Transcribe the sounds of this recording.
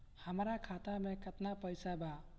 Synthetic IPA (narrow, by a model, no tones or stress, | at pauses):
həmɾakʰat̪amẽkət̪napəjsaba